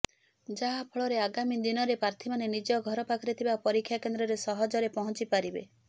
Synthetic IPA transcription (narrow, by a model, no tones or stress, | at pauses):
d͡ʒaɦapʰɔɭɔɾeaɡamid̪inɔɾepɾaɾt̪ʰimanenid͡ʒɔɡʱɔɾɔpakʰɔɾet̪ʰibapɔɾikʰːjakend̪ɾɔɾesɔɦɔd͡ʒɔɾepɔɦɔnt͡ʃipaɾibḛ